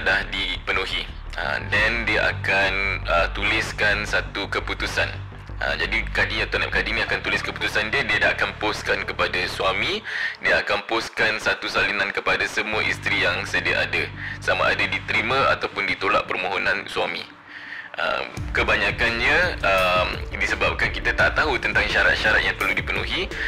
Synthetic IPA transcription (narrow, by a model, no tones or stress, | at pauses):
dahdipənuɦi | ə̰dɛndiəʔa̰kanət̪ulɪskansat̪ukəput̪usan | ə̰d͡ʒadikadijat̪ona̰p̚kadinĩakant̪ulɪskəpu̥t̪usandiədiədaʔkanposkankəpadasuamidiəakanposkansat̪usalinankəpadasəmuaʔist̪ɾijaŋsədia̰ʔadasama̰ʔa̰dadit̪əɾimə̃a̰t̪awpʊndit̪ola̰ʔpərmoɦonãnsuamḭ̃ | ʔə̰kəbaɲakanɲəəmdisəbap̚kankit̪at̪aʔt̪aɦut̪ənt̪aŋʃaɾa̰t̪̚ʃaɾat̪̚jaŋpərludipənṵɦi